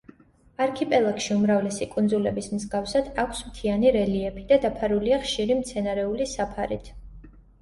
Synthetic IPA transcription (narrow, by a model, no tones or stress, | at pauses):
aɾkʰipʼɛlˠakʃiumɾavlɛsikʼund̪zulɛbismzɡafsad̪̥akʰsmt̪ʰianiɾɛliɛpʰid̪ad̪apʰaɾuliaχʃiɾimt̪sʰɛnaɾɛulisapʰaɾit̪ʰ